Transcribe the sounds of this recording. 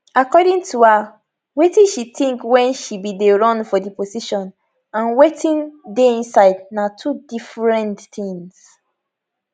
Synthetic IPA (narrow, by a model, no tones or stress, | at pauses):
akɔdĩŋtua | wetĩnʃitĩŋkwɛ̃nʃibideɹɔ̃nfɔdiposiʃɔ̃n | ãnwetĩndeĩnsaɪdnatʰudifɹɛ̃ntθĩŋs